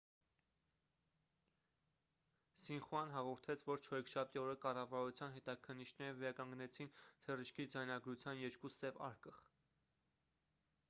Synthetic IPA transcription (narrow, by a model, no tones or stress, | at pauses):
sinχuɑnɦɑʁɔɾt̪ʰɛt͡sʰvɔɾt͡ʃʰɔɾɛkʰʃɑp̚ʰt̪iɔɾəkɑrɑvɑɾut͡sʰjɑnɦɛt̪ɑkʰənːit͡ʃʰnɛɾəvɛɾɑkɑŋɡnɛt͡sʰint̪ʰəriʃkʰid͡zɑjnɑɡɾut͡sʰjɑnjɛɾkusɛvɑ̰ɾkəʁ